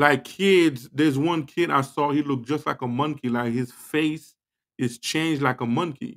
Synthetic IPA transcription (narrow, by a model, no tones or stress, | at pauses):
laɪkʰɪdzðə˞zwʌ̃nkʰɪɾa̰ɪsɔhilʊk̚d̥ʒ̥ʌstˡlaɪkəmʌ̃ŋkilaɪkhɨz̥feɪs | ɨz̥t͡ʃʰẽɪ̃nd͡ʒlaɪkəmʌ̃ŋkḭ